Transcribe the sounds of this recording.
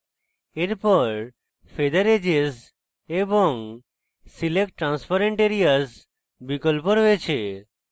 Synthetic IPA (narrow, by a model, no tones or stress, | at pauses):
eɾpɔɾ | fʰed̪əɾed͡ʒez | ebɔŋ | silek̚ʈːɾãnspaɾeɳʈeɾijaz | bikɔlpɔɾɦoet͡ɕʰe